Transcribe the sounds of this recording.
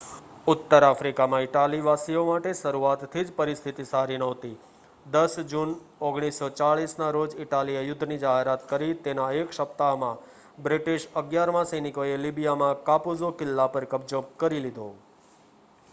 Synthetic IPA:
ʊt̪ːəɾafɾikamãɪʈaliʋasiomaʈeʃəɾuat̪t̪ʰːid͡ʒpəɾist̪ʰit̪isaɾinəʋt̪i | d̪əsd͡ʒunoɡɽ̃isːot͡ʃaɭisnaɾod͡ʒɪʈaliəjʊd̪ʱːnid͡ʒaɦeɾat̪kəɾit̪enaekʃəp̚t̪amã | bɾɪʈiʃəɡjaɾmãsəjnikoelibijamãkapuzokɪlːapəɾkəbd͡ʒokəɾilid̪ʱo

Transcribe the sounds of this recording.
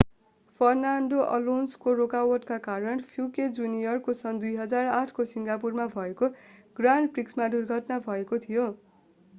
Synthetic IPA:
pʰʌrnaɳɖoʔʌ̰lonskoɾokawʌʈkakaɾʌnpʰjuked͡zunijʌrkosʌnd̪ujɦʌd͡zaraʈʰkosiŋɡapurmabʱʌekoɡ̥ranpriksmad̪urɡʱʌʈnabʱʌekot̪ʰijo

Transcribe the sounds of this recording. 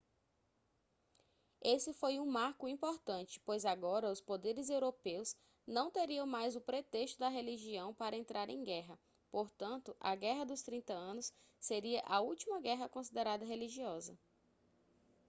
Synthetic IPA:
esɪfojũmaɾkʊĩpoɾt̪ɐ̃nt͡ʃɪ̥pojzaɡɔɾɐʊspod̪eɾɪzewɾopews | nɐ̃w̃t̪eɾiɐ̃majzʊpɾet̪eʃt̪ʊd̪ɐɦeliʒiɐ̃w̃paɾɐẽnt̪ɾʔaɾḛ̃j̃ɡɛɦɐ | poɾt̪ɐ̃nt̪ʊʔɐɡɛɦɐd̪ʊst̪ɾĩnt̪ɐɐ̃nʊs | seɾiɐʔɐuwt͡ʃimɐɡɛɦɐkõsid̪eɾad̪ɐɦeliʒiɔzɐ

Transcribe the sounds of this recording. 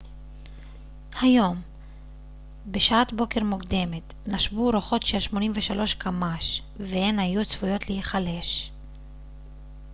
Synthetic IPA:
hajo̞m | be̞ʃaatbo̞ke̞ʁmukd̪e̞me̞t | naʃbuɾoχo̞tʃeʃmo̞nimve̞ʃalo̞ʃkʰamaʃ | vehenhajut͡sv̥ujo̞t̪lehiχale̞ʃ

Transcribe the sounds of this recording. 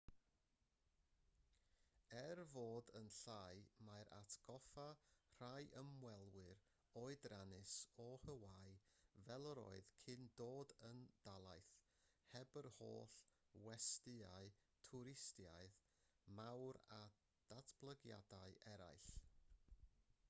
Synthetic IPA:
ɛrvoːdənɬaːɨmaɾʔa̰tʰɡ̥ɔfar̥ajʔəmwɛlˠwɪɾ | oɨdranɪsɔhəwaɨvɛlˠəɾo̰ɨðkʰɨndoːdənd̥alˠajθ | hɛbərho̰ːɬwɛstɨaɨtʰʊɾɪstjaɨð | mawɾa | d̥atʰb̥lˠəɡja̰daɨʔɛɾa̰jɬ

